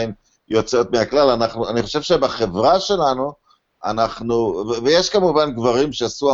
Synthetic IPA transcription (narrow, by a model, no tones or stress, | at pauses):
im | jo̞t͡so̞t̪meaklalanaχnuaniχo̞ʃevʃebaχe̞vʁaʃe̞lanu | a̰naχnuvevejeʃkamuvanɡvaʁimʃeasua